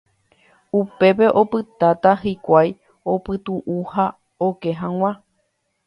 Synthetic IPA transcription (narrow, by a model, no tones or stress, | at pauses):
upe̞pe̞ʔo̞pɨt̪at̪aɦikʷaj | opɨt̪uʔuha | okeɦãw̃ã